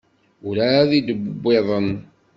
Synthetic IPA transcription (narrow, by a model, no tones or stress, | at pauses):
ʊɾaðid̪əbbːeðˤən